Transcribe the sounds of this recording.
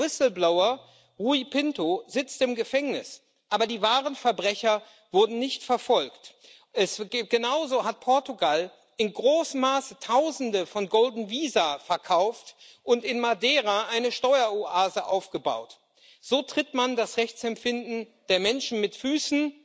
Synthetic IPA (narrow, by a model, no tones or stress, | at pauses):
wɪsl̩blaʊɐ | ʁuipʰɪntozɪt͡stɪmɡəfɛŋnɪs | ʔaːbɐdiːvaːʁ̞ənfɛɐbʁɛçɐ | v̥ʊɐdn̩nɪçtfɛɐfɔlkt | ʔɛsɡ̥ənaʊzoɦat̚pʰɔɐtuɡal | ʔɪnɡʁoːs̩maːsətʰaʊzn̩dəfɔnɡɔldn̩viːzafɛɐkʰaʊft | ʔʊntɪnmadɛːʁaʔaɪnəʃtɔʏɐoʔaːzəʔaʊfɡ̥əba̰ʊt | z̥oːtʁ̥ɪtmandasʁɛçt͡sɛmfɪndn̩d̥eːɐmɛnʃn̩mɪtfyːsn̩